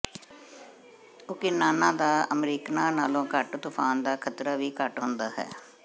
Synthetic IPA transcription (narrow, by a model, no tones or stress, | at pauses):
ʊkɪnaːnãːd̪aːəmɾiːknãːnaːlõːkəʈt̪ʊpʰaːnd̪aːkʰət̪ɾaːʋiːkəʈɦʊnd̪aːɦɛ̰ː